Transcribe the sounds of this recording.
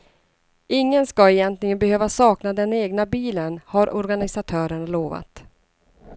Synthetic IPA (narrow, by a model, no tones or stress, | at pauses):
ɪŋːənskaɛjɛnt̪lɪɡənbɛhøːvasɑːknad̪ɛneːɡnabiːlənhaɾʔɔɾɡanɪsat̪ʰœːɾəɳaloːva̰t̪